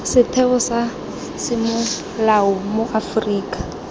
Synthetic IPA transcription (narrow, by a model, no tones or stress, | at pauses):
sɪtʰɛʊsa | sɪmʊ | laʊmʊʔafriːkʼḁ